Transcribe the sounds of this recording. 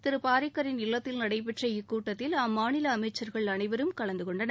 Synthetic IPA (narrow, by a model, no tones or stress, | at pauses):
t̪ɪɾɯpaːɾɪkːɐɾɪnɪlːɐt̪ːɪlnɐɽɐɪp̬ɛʈrɐɪkːuːʈːɐt̪ːɪlaːmːaːnɪlɐːmɐɪt͡ʃːɐɾɣɐɭɐnɐɪʋɐɾɯmkɐɭɐnd̪ɯkɔɳɖɐnɐ